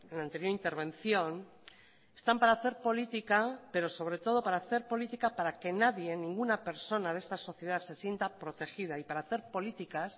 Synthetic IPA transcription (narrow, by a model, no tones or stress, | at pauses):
enant̪e̞ɾjoɾint̪eɾβ̞ẽ̞n̟θjo̞n | e̞st̪ampaɾaːθe̞ɾpo̞lit̪ikape̞ɾo̞so̞βɾe̞t̪o̞ð̞o̞paɾaːθe̞ɾpo̞lit̪ikapaɾake̞naðje̞nĩŋɡunape̞ɾso̞naðe̞st̪aso̞θje̞ð̞aðse̞sje̞nt̪apɾo̞t̪e̞xiðaipaɾaːθe̞ɾpo̞lit̪ikas